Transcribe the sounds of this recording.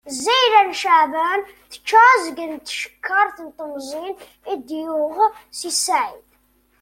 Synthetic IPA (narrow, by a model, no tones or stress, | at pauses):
zijlænʃəʕvən | θə̥t͡ʃːæzəɡənt̪ːʃə̥kʰːəɾˤθənt̪ˤːəmzˤin | id̪jʊʁsisaʕid̪